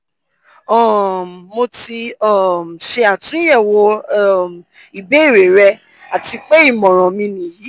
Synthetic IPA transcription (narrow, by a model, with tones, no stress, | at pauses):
ɔ˦˨mːo˧ti˧ɔ˦˨m˨ʃe˧a˨tũ˨˦jɛ˦˨wɔ˧˨ | i˨be˨˦i˦˨ɾe˨ɾɛ˧ | a˨ti˧k͡pe˦i˦˨mɔ̃˨ɾ̃ɔ̃˨mĩ˧nĩ˨ji˨˦